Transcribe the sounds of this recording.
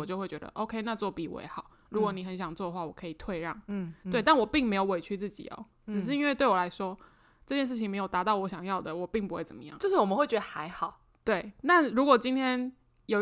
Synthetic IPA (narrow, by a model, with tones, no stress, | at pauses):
ɔ˨˩t͡ɕjo˥˧xwe˥˩ɪt͡ɕɥɛ˧d̪ə̰˧ʔo˥ʊkʰe˥ɪna˥˧t͡swɔ˥˩pḭ˨˩wɔ̰˧˩jɛ̰˧˦xɑ˨˦ʊɻu˧˥kwɔ˧˦ni˨˩xə˧˦nɕ̬jɑ˨˩ŋt͡swɔ˥˩ə˦xwa˥˩wɔ˨˩kʰɤ˧˥i˨˩t̪ʰwe˥˧ɪɻɑ̰˥˩ŋ˥˩t̪we˥˧ɪt̪̬a˥˩nwɔ˨˩pi˥˩ŋme˧˥ɪjo˨˧ʊwe˨˩ɪt͡ɕʰy˥˧t͡s̩˥˩t͡ɕḭ˨˩ɔ̰˨˦ | ɻ̩˨˩ʂ̬ɻ̩˥˩i˥nwe˥ɪt̪we˥˩ɪwɔ˨˩la˧˥ɪʂwɔ˥ | ʈ͡ʂɤ˥˧t͡ɕjɛ˥˧nʂ̬̩˥˩t͡ɕʰi˧ŋme˧˥ɪjo˨ʊt̪a˧˥t̪ɑ˥˩ʊwɔ˧˥ɕjɑ˨˩ŋjɑ˥˩ʊd̪ə˩wɔ˨˩pi˥˩ŋpu˧˥xwe˥˩ɪt͡sə˨˩mə˦jɑ̰˥˩˨ŋt͡ɕo˥˧ʂɻ̩˥˩wɔ˨˩mə˦xwe˥˩ɪt͡ɕɥɛ˧˦d̪ə˧xa˧˥ɪxɑ˨˩ʊ | t̪we˥˩ɪna˥˨ɻu˧˥kwɔ˨˩t͡ɕi˥nt̪ʰjɛ˥n | jo˨˩